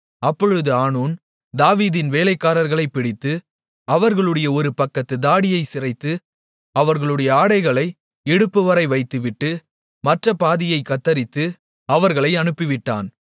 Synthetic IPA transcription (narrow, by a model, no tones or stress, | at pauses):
ɐpːɔɻɯðɯaːɳuːn | d̪aːʋiːðɪnʋeːlɐɪkːaːɾɐɾɣɐɭɐɪpːɪɽɪt̪ːɯ | ɐʋɐɾɣɐɭɯɽɐjɐɔɾɯpɐkːɐt̪ːɯd̪aːɽɪjɐɪsɪrɐɪt̪ːɯ | ɐʋɐɾɣɐɭɯɽɐjɐaːɽɐɪɣɐɭɐɪ | ɛɽɯpːɯʋɐɾɐɪʋɐɪt̪ːɯʋɪʈːɯ | mɐʈrɐpaːðɪjɐɪkːɐt̪ːɐɾɪt̪ːɯ | ɐʋɐɾɣɐɭɐɪɐnɯpːɪʋɪʈːa̰ːn